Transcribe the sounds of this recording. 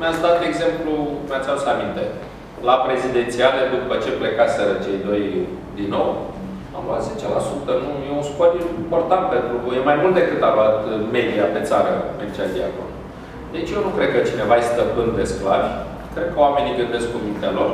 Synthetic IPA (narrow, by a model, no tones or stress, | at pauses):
meat̪sʲd̪at̪eɡze̞mplumeat̪sʲalusamint̪e̞ | lapɾe̞zid̪e̞nt̪sialed̪upət͡ʃe̞ple̞kasʲeɾət͡ʃe̞jd̪o̞j | d̪inːo̞w | a̰mluat̪ze̞t͡ʃe̞lasut̪ənujeunskoɾiimpo̞rt̪ant̪̚pe̞nt̪ɾujemajmult̪d̪e̞kɨt̪aluat̪me̞d̪iape̞t̪saɾəmert͡ʃad̪ia̰ko̰l | d̪̥e̞t͡ʃʲjewnukɾed̪̚kət͡ʃine̞vaest̪əpɨnd̪d̪e̞sklavʲ | kɾe̞d̪̚kəowame̞niɡɨnd̪e̞skkumint̪alo̞r